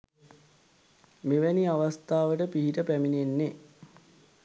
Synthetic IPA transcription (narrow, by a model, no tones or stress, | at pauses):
meʋæniaʋast̪aːʋəʈəpiɦiʈəpæminenːe